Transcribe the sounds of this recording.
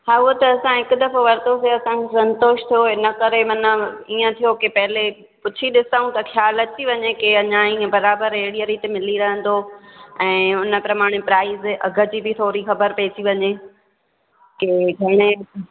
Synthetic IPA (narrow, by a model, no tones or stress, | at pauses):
ɦaːʊɦot̪ɐɐsãɦɪkʊ̆d̪ɐfoʋɐɾt̪oseɐsãkʰesɐ̃nt̪oːʃt̪ʰijoɦɪnə̆kɐɾemɐnəiːə̃t̪ʰijokepɐɦɪle | pʊt͡ɕʰiɗɪsaːũt̪ɐxjaːlɐt̪iʋɐɲekeɐɲãiə̃bɐɾaːbəɾeɦɽijəɾit̪emɪliɾɐɦə̃nd̪oɛ̃ːʊnə̆pɾɐmaːɽ̃epɾaːizʔɐɡʱə̆d͡ʑiːbɪt̪ʰoːɾixɐbəɾpeːt̪ʰiʋɐɲe | keɡʱɐɽ̃e